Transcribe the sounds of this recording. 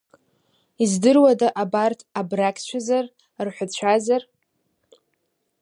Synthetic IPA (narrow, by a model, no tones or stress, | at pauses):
izdɨrwadaʔabartʰabrakʲʼʰt͡ʃʷʰazar | rħʷat͡ɕʷʰazar